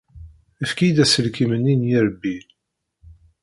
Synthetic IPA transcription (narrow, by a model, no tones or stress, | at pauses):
əfkid̪æsəlkimənːinjiɾəbːi